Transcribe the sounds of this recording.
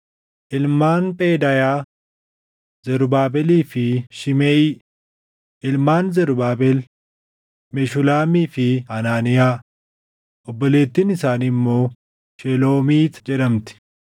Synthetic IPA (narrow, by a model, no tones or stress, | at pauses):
ʔɪlmaːnpʼeːd̪ɐjaː | zɛɾʊbaːbɛliːfɪʃɪmeːi | ʔɪlmaːnzɛɾʊbaːbɛl | mɛʃʊlaːmiːfɪɐnaːnɪjaː | ʔɔbːɔle̞ːt̪ːiːnɪsaːnɪmːo̞ː | ʃɛlo̞ːmiːt̪d͡ʒɛɗɐmt̪ɪ̥